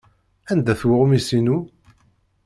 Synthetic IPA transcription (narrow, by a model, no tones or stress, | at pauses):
ænd̪æθwəʁumisinu